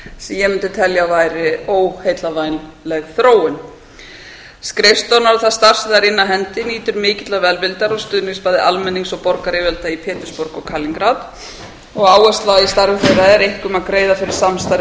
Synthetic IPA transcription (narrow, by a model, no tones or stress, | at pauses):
sɛmjɛmɪnt̪ɪt̪ʰɛljavaːjɾɪoːwhejt̪lavajnlɛɣθɾoːwʏn | skɾɪfst̪ɔnaɾθaðst̪ar̥sðaɾɪnːaɦɛnt̪ɪniːt̪ʏɾmɪːcɪt̪lavɛlvɪlt̪aɾɔst̪ʏðnɪŋspaːjðɪʔalmɛnːiŋsɔɣpɔɾkaɾɪːvɛlt̪aipʰɛːt̪ʏ̥spɔɾkɔkʰaːliŋkɾat̪ | ɔɣaːwɛst̪laist̪aɾvʏfɛrːaɛɾejhkʏmaðkɾeːjðafɪɾɪɾ̥samst̪ajɾ